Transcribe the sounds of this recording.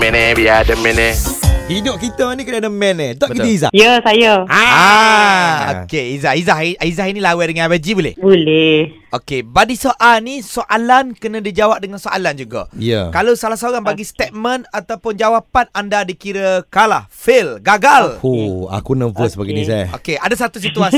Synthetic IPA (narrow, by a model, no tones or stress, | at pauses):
mɛnebiadəmɛnebinoʔkit̪əanikənadəmɛnet̪ɔʔbətkiəiza̰hjəsajəa | o̰keizaizaɦiizaɦinĩlawɛdəŋanwad͡ʒibulɪ̰hbulɛh | okebadisoʔalnisoʔalankənãdid͡ʒawap̚dəŋansoʔa̰land͡ʒuɡa̰ja̰kalowsalahsaoɾaŋbaɡist̪ɛt̪̚mə̃nat̪awpʊnd͡ʒawapanandadikiɾəkalahfɪlɡaɡalhua̰kunəvəsbaɡinisaja̰okeadas̬at̪us̬it̪uas